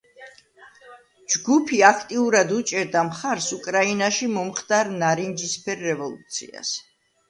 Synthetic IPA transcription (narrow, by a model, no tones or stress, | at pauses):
d͡ʒɡupʰiakʰt̪ʼiuɾad̪ut͡ʃʼɛɾd̪amχaɾsukʼɾainaʃimɔmχt̪ʼaɾnaɾind͡ʒispʰɛɾːɛvɔlˠṵt̪sʰḭa̰s